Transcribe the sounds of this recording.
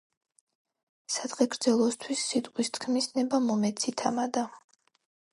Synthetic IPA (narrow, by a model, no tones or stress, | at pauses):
sad̪̥ʁɛɡɾd̪zɛlˠɔst̪ʰwisːit̪ʼqʼwist̪ʰkʰmisnɛbamɔmɛt̪sʰit̪ʰamad̪a